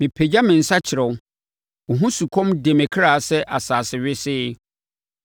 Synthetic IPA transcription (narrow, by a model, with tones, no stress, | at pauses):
mɪ̃˨pʰe˨d͡ʑa˦mɪ̃˨n̩˨sa˦t͡ɕʰɪ˨ɾɛ̃˨˦ | ɔ˨ɦũ˦su˨kʰɔ̃˦mde˨mɛ̃˨kʰɾaː˨sɛ˦ʔa˨saː˨sɪ˨ɥɪ˦sɪː˦